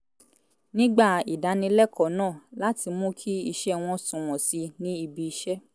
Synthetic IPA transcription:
nĩ˦ɡ͡ba˦˨i˨da˨˦nĩ˧lɛ˦kɔ˨˦nãː˦˨la˦ti˧mũ˦kʰi˦i˧ʃɛ˦˨w̃ɔ̃˧˦sũ˨w̃ɔ̃˨si˧nĩ˦i˧bi˧i˧ʃɛ˦

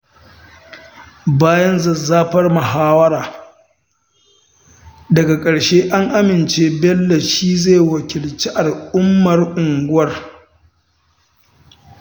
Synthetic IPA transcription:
baː˦jɐ˦nzɐ˨zːaː˦ɸɐ˦rmɐ˨ɦaː˦wɐ˦ɾaː˨ | dɐ˨ɡa˨kʼɐ˨ɽʃeː˦ʔa˦ŋʔa˦mɪ˨nt͡ʃe˦bɛ˦lːɛ˨ʃiː˦ze˦˨wɐ˨kʲɪ˨lt͡ʃi˦ʔa˨lʔʊ˦mːɐ˨rʔʊ˨ŋɡʷʊ˦wɐ˦r

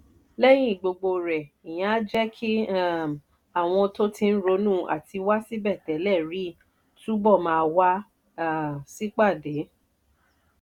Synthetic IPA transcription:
lɛ˦j̃ĩ˦i˨ɡ͡bo˨ɡ͡bo˧ɾɛ˨ | i˨j̃ã˨˦a˦d͡ʒɛ˦kʰi˦a˦˨ | a˨w̃ɔ̃˧to˦tĩ˧n̩˦ɾo˨˧˦nũ˦˨ʔa̰˨ti˧wa˦si˦bɛ˦˨tɛ˨˦lɛ˦˨ɾi˨˦ | tũ˦bɔ˦˨mãː˧wa˦˨ | si˦k͡pa˦˨de˨˦

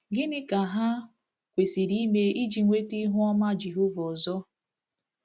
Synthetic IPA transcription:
ɡɪ˦nɪ˦ka˨ɦa˦ | kʷe˨si˨ɾi˦me˦i˦d͡ʒi˨ŋʷe˦ti˦ɦʊ˦ɔ˦ma˦d͡ʒi˨ɦʊ˦vɔ˨zɔ˦

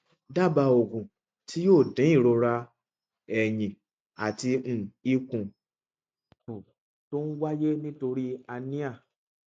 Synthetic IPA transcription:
da˦˨ba˧o˨ɡũ˨ | ti˨˦joː˦˨dɛ̃˨˦i˦˨ɾo˧ɾa˧ | ɛ˨jĩ˨ | a̰˨ti˧m̩̃˦˨i˦kũ˧ | o˨ | to˦n̩˦wa˦je˦nĩ˦to˧ɾi˦a˧nĩ˦a˦˨

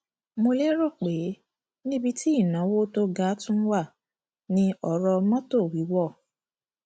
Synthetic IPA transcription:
mo˧le˦ɾo˦˨k͡pe˨˦ | nĩ˦bi˧˦ti˦i˦˨nã˨˦wo˦to˧ɡa˨˦tũ˦wa˦˨ | nĩ˧ɔ˨ɾɔ˧mã˦to˦˨wi˨˦wɔ˦˨

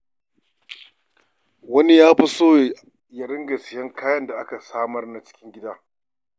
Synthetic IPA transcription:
wɐ˦ni˦jaː˦ɸi˦soː˦˨ | jɐ˨ɽɪ˦ŋɡɐ˨sɪ˨jɐ˦ŋkaː˦jɐ˦nda˨ʔa˦ka˨saː˦mɐ˦rna˦t͡ʃɪ̥˦kʲɪ˦ŋɡʲɪ˦daː˦

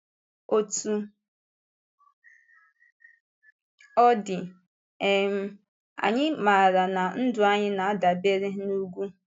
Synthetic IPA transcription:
o˦tu˨ | ɔ˦dɪ˨ | ɛ˦m̩˦ | a̰˨ɲɪ˦ma˨ɾa˨na˨n̩˦dʊ˨a˦ɲɪ˦na˨a˦da˨be˦ɾɪ˦nu˦ɡʷu˦

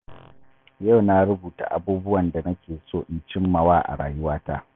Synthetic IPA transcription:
jɐ˦˨wna˦ɽʊ˦buː˨ta̰˨ʔa˦buː˦bʊ˦wɐ˨nda˨nɐ˦kʲeː˨soː˦˨ʔɪ˨nt͡ʃɪ˦mːɐ˨waː˦ʔa̰˨ɽa̰ː˨jʊ˦waː˦taː˦

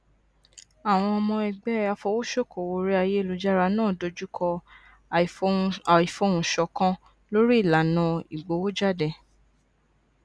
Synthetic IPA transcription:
a˨w̃ɔ̃˧ɔ˧mɔ̃˧ɛ˧ɡ͡bɛ˦a˧fɔ˧wo˦ʃo˦˨ko˨wo˧ɾi˦a˧je˦e˦˨lu˧d͡ʒa˦ɾa˧nãː˦˨do˧d͡ʒu˦kʰɔ˧˨ | i˨fo˧˦˨ũ˨ʃɔ˧kã˦ | lo˦ɾi˦i˦˨la˨˦nã˨˧i˨ɡ͡bo˨˦wo˦d͡ʒa˦˨dɛ˧˨

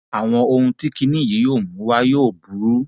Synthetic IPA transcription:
a˨w̃ɔ̃˧o˧hũ˧ti˦ki˧˦nĩ˦˨ji˨˦joː˦˨mũ˨˦wa˦joː˦˨bu˨˦ɾu˦

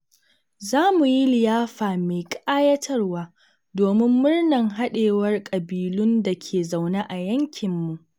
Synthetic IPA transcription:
zaː˦mu˨ji˦lɪ˨jaː˦ɸaː˨me˨jkʼaː˦jɐ˦tʰɐ˦rwaː˦ | doː˨mɪ˦mːʊ˦rnɐ˨ŋɦa˦ɗeː˨wɐ˦rkʼɐ˨biː˨lʊ˦nda˨kʲʰeː˨za˨wna˦ʔa˨jɐ˦ŋkʲɪ˨mːu˨ʔ

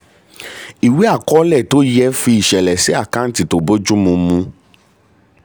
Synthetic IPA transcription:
i˨we˨˦a˦˨kɔ˦lɛ˦˨to˨˦jɛ˦fi˧i˨ʃɛ˨lɛ˨si˨˦a˦˨kã˦n̩˦ti˦˨to˨bo˦d͡ʒu˦mũ˧mũ˧

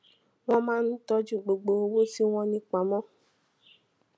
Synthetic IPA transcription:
w̃ɔ̃˦mãː˦n̩˦tɔ˧˦d͡ʒu˦˨ɡ͡bo˨ɡ͡bo˨o˧wo˦si˦w̃ɔ̃˧nĩ˧k͡pa˨mɔ̃˦

